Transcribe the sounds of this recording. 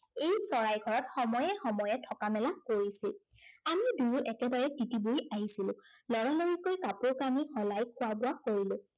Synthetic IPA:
ejsɔɹajɡʱɔɹɔtxɔmɔjɛxɔmɔjɛtʰɔkamɛlakoɹisilamiduɹuʔɛkɛbaɹɛtitibojaɦisilʊ̃lɔɹaloɹikojkapʊɹkanixɔlajkʰʊwabʊwakoɹilʊ̃

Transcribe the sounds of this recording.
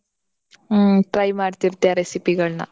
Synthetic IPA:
ʈrɐjmaːɾt̪iɾut̪jaɾesipiɣɐɭnɐ̰

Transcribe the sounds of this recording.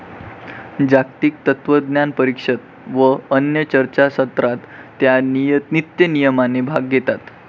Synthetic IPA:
d͡ʑakt̪iːk̚t̪ət̪ʋəd̪njanpəɾikʂət̪ | ʋəːnjət͡ɕəɾt͡ɕasət̪ɾat̪ːjaninit̪jənijəmanebʱaɡːet̪at̪

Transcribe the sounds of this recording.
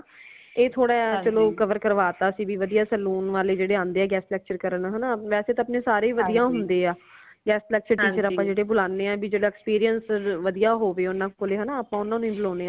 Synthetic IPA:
eːt̪ʰoːɽaːt͡ʃəloːkəʋəɾkəɾʋaːt̪aːsiːbiːʋəd̪ijaːsɛluːnʋaːleːd͡ʒeːɽeːãːnd̪eːɛːɡɛːslɛːk̚t͡ʃəɾkəɾənɦənaːʋɛːseːt̪ãːəpneːsaːɾeːʋəd̪ijãːɦʊnd̪eːaː | ɡɛːslɛːk̚t͡ʃəɾʈiːt͡ʃəɾaːpːãːd͡ʒeːɽeːbʊlaːnːeːɛ̃ːbiːd͡ʒeːɽaːkspiːɾijənsʋəd̪ijaːɦoːʋeːʊnãːkoːleːɦənãːəpãːʊnãːnũːbloːneːãː

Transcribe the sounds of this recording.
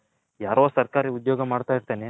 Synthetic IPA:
jaːɾoːsɐɾkaːɾiud̪joːɡɐmaːɽt̪aːjiɾt̪eːne

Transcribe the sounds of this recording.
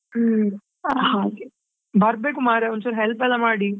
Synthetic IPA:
hake | bɐɾbeːkʊmaːɾɛɔnːsaɾɦɛlpɛlamaːɽi

